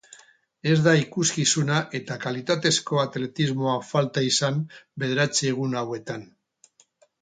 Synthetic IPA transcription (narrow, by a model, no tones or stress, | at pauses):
e̞zðaikuskisunaʔe̞t̪akalit̪at̪e̞sko̞at̪le̞t̪izmo̞afalt̪aisambe̞ðe̞ɾat͡seɣ̞unawe̞t̪an